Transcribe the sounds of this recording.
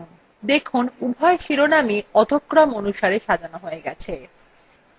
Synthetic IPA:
d̪ekʰunubʱaeʃiɾonamiɔd̪ʱokːɾamonuʃaɾeʃad̪ʱanoɦoeɡɛt͡ɕʰe

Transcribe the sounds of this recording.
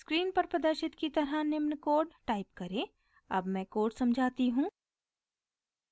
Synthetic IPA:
skɾiːnpɐɾpɾɐd̪əɾʃɪt̪kit̪ɐɾənɪmnkoːɾɖʈaːɪp̚kɐɾẽː | ɐ̰bmɛ̃koːɾɖsɐmd͡ʒʱaːt̪iɦũː

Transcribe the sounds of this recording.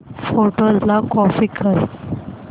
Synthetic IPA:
foʈəllakɔfikʰəɾ

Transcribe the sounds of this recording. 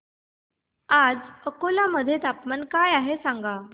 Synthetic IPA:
ad͡zəkolaməd̪ʱːjet̪apmankajaɦesaŋɡa

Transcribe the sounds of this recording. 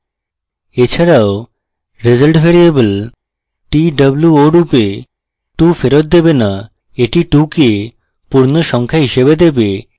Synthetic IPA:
et͡ɕʰaɾao | ɾed͡ʑəlʈbʱeɾiebel | ʈiɖəbluoɖupe | ʈufeɾot̪̚d̪ebena | eʈiʈuke | puɾnoʃɔŋkʰaɦiʃebed̪ebe

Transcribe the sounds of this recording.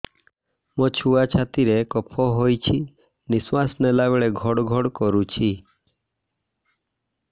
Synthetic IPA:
mɔt͡ʃʰuat͡ʃʰat̪iɾekɔpʰɔɦojt͡ʃʰi | niswasnelabeɭeɡʱɔɽɡʱɔɽkɔɾut͡ʃʰi

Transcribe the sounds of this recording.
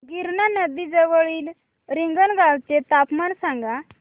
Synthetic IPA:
ɡiɾnanəd̪id͡zəʋəɭiːl | ɾiŋɡənɡaʋt͡set̪apmansãŋɡa

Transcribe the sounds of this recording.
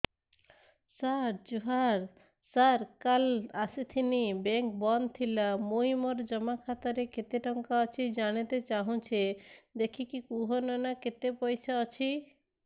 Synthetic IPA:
saɾd͡ʒuɦaɾ | saɾkalasit̪ʰinibeŋk̚bɔnt̪ʰilamojmoɾd͡ʒɔmakʰat̪aɾeket̪eʈɔŋkaɔt͡ɕʰid͡ʑanet̪et͡ɕaɦũt͡ɕʰed̪ekʰikikuɦonɔnaket̪epojsʰaɔt͡ɕʰi

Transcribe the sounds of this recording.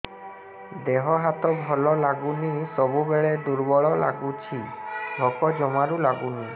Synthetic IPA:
d̪eɦɔɦat̪ɔbʱɔlɔlaɡunisɔbubeɭed̪uɾbɔɭɔla̰ɡut͡ʃʰiɖʱɔkɔd͡ʒɔmaɾulaɡuni

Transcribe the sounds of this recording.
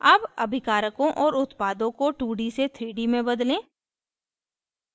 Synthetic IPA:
apɐbʱɪkaːɾəkõʔɔːɾʊt̪paːd̪õkoʈuːɖiset̪ʰɾiːɖimẽbɐd̪lẽː

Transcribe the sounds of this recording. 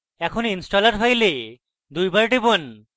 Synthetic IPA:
ɛkʰɔninsʈɔlaʈɦajle | d̪ujbaɹʈibon

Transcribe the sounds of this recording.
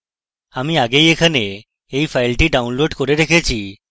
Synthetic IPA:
amiaɡejekʰane | eifajlʈiːɖaũnloɖkɔɾeɾekʰajt͡ɕiː

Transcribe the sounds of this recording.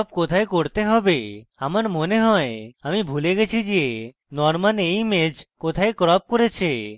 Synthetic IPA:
pkot̪ʰajkoɾt̪eɦɔbeamaɾmoneɦɔeamibʱuleɡet͡ʃʰid͡ʒe | nɔɾmanejmed͡ʒkot̪ʰajkɾɔp̚koɾet͡ʃʰe

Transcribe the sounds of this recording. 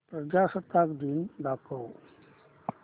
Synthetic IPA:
pɾəd͡ʑasət̪akd̪ind̪akʰəw

